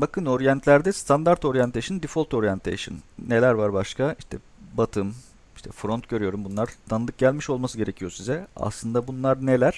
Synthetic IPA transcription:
bakʰɯno̞ɾjɛnt̪ʰlʲæɾd̪ɛst̪ʰand̪aɾt̪ʰo̞ɾjant̪ʰeʃɯnd̪ifolʲˠt̪o̞ɾjɛnt̪ʰḛjʃɯ̰nːe̞lʲæɾvaɾbaʃkʰaiʃt̪ʰɛ | bat̪ʰɯm | i̥ʃt̪ʰɛfɾo̞nt̪ɟø̞ɾyjo̞ɾumbunlˠaɾt̪ʰanɯd̪ˠɯk̚ɟælʲmiʃo̞lˠmasɯɟe̞ɾecʰijo̞sizɛa̰slˠɯnd̪abunlˠaɾne̞lʲæɾ̥

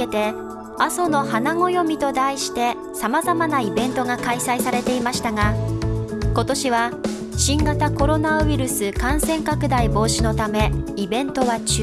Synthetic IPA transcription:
e̞t̪e̞ | aso̞no̞hanaŋo̞jo̞mʲit̪o̞d̪aiɕi̥t̪e̞ | samazamanaibẽ̞nt̪o̞ɡakaisaisaɾe̞t̪e̞imaɕi̥t̪aɡa | ko̞t̪o̞ɕiβa | ɕĩŋɡat̪ako̞ɾo̞naβiɾɯ̟sɨkãɰ̃sẽ̞ŋkakɯ̟d̪aibo̞ːɕino̞t̪ame̞ibẽ̞nt̪o̞βat͡ɕ

